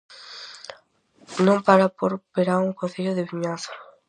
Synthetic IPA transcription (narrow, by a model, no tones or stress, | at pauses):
nõmpaɾapoɾpeɾauŋkõn̟θeʎoðɪβiɲaθo̥